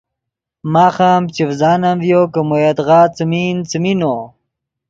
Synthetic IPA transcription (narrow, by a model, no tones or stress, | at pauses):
maːxamt͡ɕifzaːnamvjokɐmujet̪ʁaːt͡smint͡simino